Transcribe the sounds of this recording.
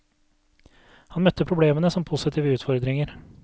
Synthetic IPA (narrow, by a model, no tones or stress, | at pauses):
hɑnmœt̪ːəpʰɾʊbleːmənəsɔmpʰusɪt̪ʰiːʋəʉːt̪fɔɾd̪ɾɪŋəɾ